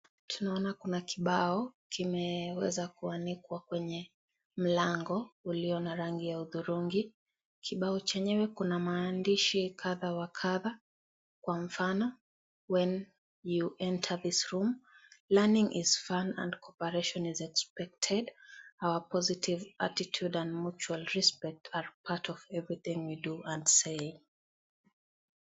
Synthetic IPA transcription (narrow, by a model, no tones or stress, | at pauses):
tʰunaɔnakunakiɓaɔkimɛwɛ̰zakuanikwakwɛɲɛ | m̩laŋɡɔuliɔnaɾaŋɡijauðuɾuŋɡi | kʰiɓaɔt͡ʃɛɲɛwɛkunamaːndiʃikʰaðawakʰaða | kwaɱ̩fanɔ | wɛ̃n | juʔɛ̃ntʰə˞ðisɹumlɛnĩŋʔḭz̥fãnã̰ndkʰɔpəɹeʃɔ̃nizɛkspɛk̚tʰɛdawəpʰɔzitʰiva̰titʰjudãndmut͡ʃualɹispɛk̚tʰaɹpʰatʰɔvɛvɹiθĩŋwiduãndseɪ